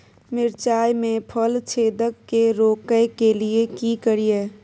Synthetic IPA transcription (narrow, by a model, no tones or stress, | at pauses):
mɪɾt͡ʃaːjmẽpʰəlt͡ʃʰeːd̪əkːeɾoːkəjkeliekikəɾieː